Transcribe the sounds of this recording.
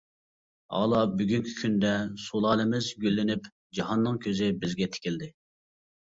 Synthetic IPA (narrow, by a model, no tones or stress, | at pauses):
ɑ̰lˠɑbyɡʲynkʲʰy̥kʲʰynd̪ɛsolˠɑːlɪmɪzɡʲølːɪnyp | d͡ʒɑɦɑnːɨŋkʲʰøzɪbɪzɡʲɛt̪ʰɪ̥kʲild̪ɪ